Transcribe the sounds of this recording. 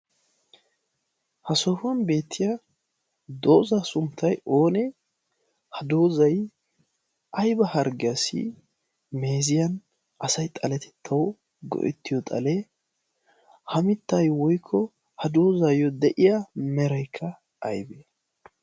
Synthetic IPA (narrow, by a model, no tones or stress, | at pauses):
hɐsɔfʊɐnbe̞ːt̪ʰːɪjɐ | d̪oːzasʊmt̪ʰːɐjo̞ːnɛ | hɐd̪oːzɐj | ɐjbɐhɐɾɡɪjɐsɪ̰ | me̞ːzɪjɐn | ʔɐsɐjt̪ʼɐlɛt̪ʰɛ̥t̪ʰːɐwɔ | ɡɔ̰ʔɛ̰t̪ːɪjɔt̪ʼɐ̰lɛ | hɐmɪt̪ːɐjwɔjkʰːɔ | hɐd̪oːzajːɔd̪ɛʔɪjamɛɾɐjkʰːɐ | ʔːjbe